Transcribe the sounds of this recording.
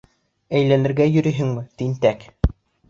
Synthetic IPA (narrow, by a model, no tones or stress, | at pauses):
æjlænɘ̆ɾɡæjɵ̆ɾɘ̆ɦɘŋmɘt̪int̪æk